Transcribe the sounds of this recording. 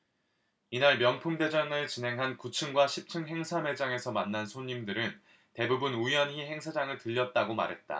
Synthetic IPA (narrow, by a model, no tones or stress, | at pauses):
inaɭmjʌnpʰumde̞d͡ʑaŋɯɭt͡ɕinɦe̞ŋɦankut͡ɕʰɯŋɡwaɕʰip̚t͡ɕʰɯŋɦe̞ŋsʰame̞d͡ʑaŋe̞sʰʌmanːansʰoɲːimdɯɾɯn | te̞bubunujʌnɦiɦe̞ŋsʰad͡ʑaŋɯɭtɯʎːʌt̚t͈aɡoma̰ɾɦe̞t̚t͈a̰